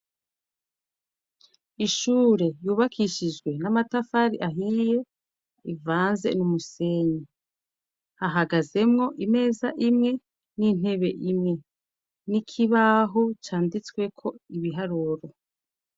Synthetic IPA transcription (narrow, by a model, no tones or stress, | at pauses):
iʃuːɾe̞juːβakʰiʃid͡ʒɡwe̞namatafaɾiʔaɦije̞ | ivaːnze̞̰numuse̞ɲi | haɦaɡaze̞mŋo̞ʔime̞ːzaʔimŋe̞ | nin̥e̞βe̞ʔimŋe̞ | nikʰiβaɦot͡ʃaːndit͡skwe̞kʰo̞iβiɦaɾuɾo